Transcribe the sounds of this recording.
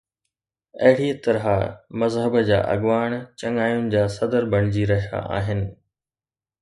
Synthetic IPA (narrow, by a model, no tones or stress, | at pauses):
ɐ̰ɦɪɽit̪ɐɾɦamɐzɦəbəd͡ʑa̰ːʔɐ̰ɡʋaːɽ̃t͡ɕɐŋaːjʊnɪ̆d͡ʑaːsɐd̪əɾbʱɐɽ̃ɪd͡ʑiɾɐɦija̰ʔa̰ːɦɪnɪ̆